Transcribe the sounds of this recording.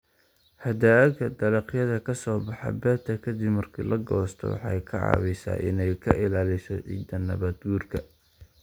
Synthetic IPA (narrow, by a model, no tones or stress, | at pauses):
ħɑd̪aːɡɐd̪ɐlɑqjɐðɐkʰɐsɔːbɑħɑ̰bɛːt̪ʰɐkʰɐd̪ɪbmɐrkʰḭːlɐɡɔːst̪ʰɔ̰wɑ̰ħɑ̰jkʰɐʕɑ̰ːβɛjsa̰ːʔɪ̰nɛjkʰɐʔɪlaːlɪsɔʕḭːd̪ɐnːɐ̰βɐd̪ɡuːrkʰɐ